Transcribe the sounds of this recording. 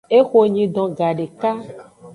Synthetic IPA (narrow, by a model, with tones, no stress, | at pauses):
e˦xo˨ɲĩ˨ɖ̪ɔ̃˨ɡa˨ɖe˨ka˦